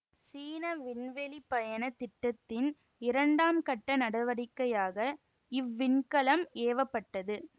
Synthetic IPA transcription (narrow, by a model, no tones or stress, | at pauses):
siːnɐʋɪnʋɛlipɐjɐnɐt̪ːɪʈːɐt̪ːɪn | ɪɾɐɳɖaːmkɐʈːɐnɐɽɐʋɐɽɪkːɐjaːɣɐ | ɪʋːɪɳkɐlɐmeːʋɐpːɐʈːɐðɯ